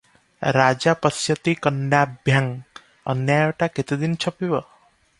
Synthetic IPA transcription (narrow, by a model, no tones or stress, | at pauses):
ɾad͡ʒapəsjət̪ikənjabʱjaŋ | ə̰njajɔʈaket̪id̪int͡ʃʰɔpibɔ